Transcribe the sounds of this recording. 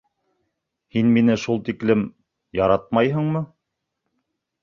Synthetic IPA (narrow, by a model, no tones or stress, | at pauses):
hinminɘʃulˠt̪iklɘm | jɑɾɑt̪̚mɑjɦɤ̆ɴmɤ